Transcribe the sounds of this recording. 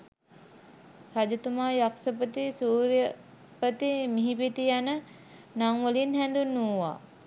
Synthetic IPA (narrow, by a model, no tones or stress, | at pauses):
rad͡ʒɐt̪umaːjaksəpət̪isuːɾjə | pət̪imiɦipit̪ijanə | naŋʋəlinhænd̪unːuʋa̰ː